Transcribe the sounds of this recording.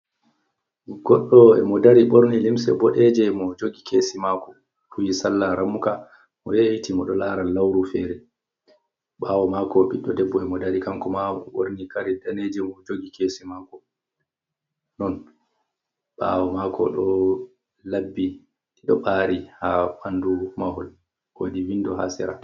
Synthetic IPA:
ɡɔɗːɔɛ̰mɔdaɾiɓoɾnilimsɛ̰bɔɗɛd͡ʒɛmɔd͡ʒoɡikʰeːsimakɔ̥ | fuwisalːaɾamːuka | mɔ̰jejitimɔɗɔlaːɾalːawɾufɛːɾɛ | ɓawɔmakɔɓiɗːɔdɛbːɔɛmɔdaɗikaŋkɔmawo̰ɾnikaɾidaned͡ʒɛmɔd͡ʒoɡikesimaːkɔ | nɔn | ɓa̰wɔmakɔ̰ɗɔ | labːi | tiɗɔɓaːɾihaɓandumahɔl | ko̰diwindɔɦa̰sɛ̰ɾa̰

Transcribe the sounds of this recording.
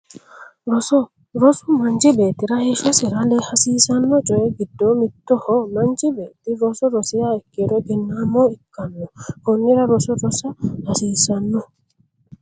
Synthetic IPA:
ɾɔsɔ | ɾɔsʊmɐnd͡ʒɪbeːt̪ːɪɾɐhɛʃɔsɪɾɐlɛhɐsiːsɐnːɔt͡ʃʼɔjɛɡɪd̪ːomɪt̪ːɔhɔmɐnd͡ʒɪbeːt̪ːɪɾɔsɔɾɔsɪjaːɛkːedɔɡɪnːaːmːɔɪkːɐnːɔhɔnːɪɾɐɾɔsɔɾɔsɐhɐsiːsɐnːɔ

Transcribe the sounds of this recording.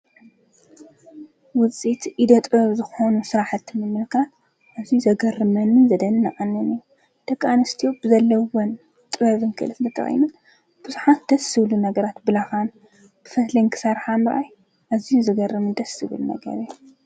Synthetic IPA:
wʊt͡sʼit̪ʔid̪ɐt̪ʼɨβɐβzɨxonusɨɾaħɨt̪ʰːimɨmɨlkʰat̪ | ʔazijuzɐɡɐrɨmɐnɨzɐd̪ɐnɨnɐʔʼɐnːɨniju | d̪̥ɐkʼːanɐst̪ʰijobɨzɐlːɐwon | t̪ʼɨβɐβɨnkʰɨʔɨlɨfnt̪ʰɐt̪ʰɐ̰xʼḭnun | b̥ɨzuħat̪d̪̥ɐsɨβlunɐɡɐɾat̪bɨlaxan | b̥ɨfɐt̪lɐjnkʰɨ̥sɐɾħamɨɾʔaj | ʔazijuzɨɡɐrːɨmɨnd̪ɐsɨβɨlunɐ̰ɡɐ̰ɾɨjːu

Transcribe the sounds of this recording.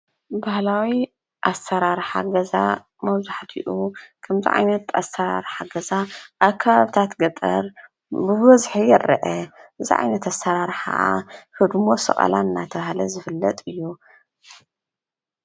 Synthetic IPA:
bahlawi | ʔasɐɾaɾħa̰ɡɐza̰ | mɐβzaħt̪ʰḭʔukʰɐmzḭʕa̰jnɐt̪asɐɾa̰ɾħaɡɐzaʔaβkʰːaβaβɨt̪ʰat̪ɡɐt̪ʼɐ̰ɾ | bɨβɐzħijɛɾɐ̰ʔɐɨzḭʕa̰jnɐt̪asɐɾaɾħa̰ʔa̰hɨd̪mo̞sɨ̰χʼɐ̰lʔa̰ɨnːat̪ʰɐβahlɐzɨfɨlːɐt̪ʼɨjːu

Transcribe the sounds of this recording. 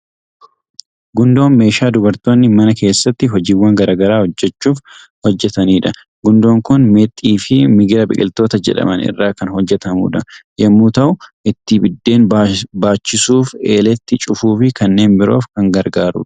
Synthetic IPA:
ɡʊnd̪o̞ːnme̞ːʃaːd̪ʊbɐɾt̪o̞ːnːɪmɐnɐke̞ːsːɐt̪ːɪɦɔd͡ʒiːwːɐŋɡɐɾaːɡɐɾaːhɔd͡ʒːɛt͡ʃːuːf | hɔd͡ʒːɛt̪ɐniːᶑɐ | ɡʊnd̪o̞ːŋkʊnmet̪ʼːiːfɪmɪɡɪɾɐbɪ̰kʼɪlt̪o̞ːt̪ɐd͡ʒɛ̰ᶑɐ̰mɐ̰nɪ̰rːaːkɐnhɔd͡ʒːɛt̪ɐmṵːᶑɐjɐmːuːt̪ɐʔʊʔɪt̪ːɪbɪd̪ːe̞ːnbbaːt͡ʃːɪsuːfe̞̰ːlɛt̪ːɪt͡ʃʼʊfuːfɪkɐnːe̞ːnbɪɾo̞̰ːfkɐŋɡɐɾɡaːɾʊ̰ᶑ

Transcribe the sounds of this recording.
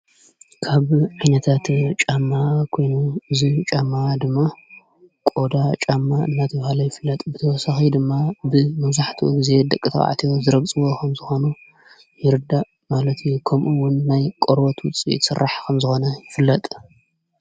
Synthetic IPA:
kʰaβʕajnɐt̪ʰat̪t͡ʃʼamːakʰo̞jnuɨzit͡ʃʼamːad̪ɨmːa | kʼo̞d̪at͡ʃʼamːaɨ̰nːat̪ʰɐβhalɐjɪfɨlːɐt̪ʼbɨt̪ʰɐwɔsaxid̪ɨmːabɨmɐβzaħt̪ʰiṵɡize̞d̪ɐkʼːɨt̪ʰa̰a̰ʕt̪ʰijozɨɾɐɡt͡sʼɨwo̞kʰɐmzɨxo̞nu | jɪɾɨd̪a | malɐt̪ʰjukʰɐmʔuwʊnːajkʼoɾbot̪wʊt͡sʼḭsɨrːaħkʰɐmzɨxo̞nɐjɪfɨlːɐt̪ʼ

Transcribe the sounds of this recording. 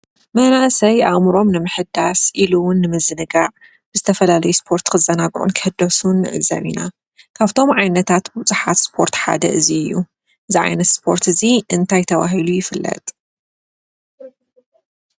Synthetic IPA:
mɐnaʔsɐjʔaɣmɾo̞mnɨmɨħɨd̪asʔiluwʊnːɨmɨzɨnɨɡaʕ | b̥ɨzɨt̪ʰɐfɐlalɐjuspʰo̞ɾt̪kʰɨzɐnaɡʔṵnkʰɨ̥hɨd̪ɐsunːɨʕɨ̰ɡzɐ̰βina | kʰaβt̪ʰo̞mʕajnɐt̪ʰat̪but͡sʼɨħat̪spʰo̞ɾt̪ħa̰d̪ɐ̰ʔɨziɨjːu | ʔɨziʕa̰jnɐt̪spʰo̞ɾt̪ʰɨziʔɨnt̪ʰajt̪ʰɐβa̰ɦilujɪfɨlːɐ̰t̪ʼ

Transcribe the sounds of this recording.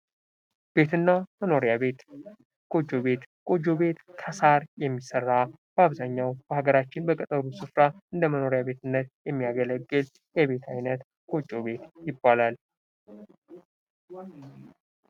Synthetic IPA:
b̥e̞t̪ʰɨnːaməno̞ɾjaβet̪ | kʼo̞d͡ʒo̞βe̞t̪kʼo̞d͡ʒo̞βe̞t̪kʰəsaɾjɛmːisərːa | b̥əaβzaɲːawb̥əhaɡəɾat͡ʃːɪnbəkʼət̪ʼəɾusɨfɾaʔɨnd̪əməno̞ɾjabe̞t̪ɨnːət̪jɛmːijaɡələɡːɨl | jɛβe̞t̪ʰajnət̪ | kʼot͡ʃʼːo̞βe̞t̪jɪbːalal

